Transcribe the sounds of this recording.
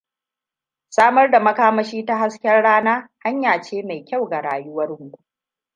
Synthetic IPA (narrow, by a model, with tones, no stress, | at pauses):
saː˦mɐ˦rda˨mɐ˦kaː˦mɐ˦ʃiː˦ta˦ɦa˦skʲɛ˦rɽaː˦naː˦ha˦ɲjaː˨t͡ʃeː˦ma˨jkʲa˦wɡa˨ɽaː˨jʊ˦wɐ˦rʊ˦ŋɡʷu˦